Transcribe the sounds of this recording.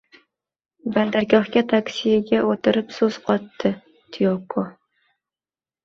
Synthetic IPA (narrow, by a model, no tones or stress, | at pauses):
band̪aɾkʲɒχkʲat̪ʰaksijɪɡʲaʔot̪ʰɪɾɨpsɵz̥qʰɒt̪ʰːɨ | t̪ʰijokʰːo